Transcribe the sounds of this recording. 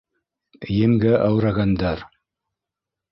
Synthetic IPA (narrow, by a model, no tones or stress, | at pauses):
jɘ̆mɡæʔɑwɾɑɣɑnd̪ɑɾ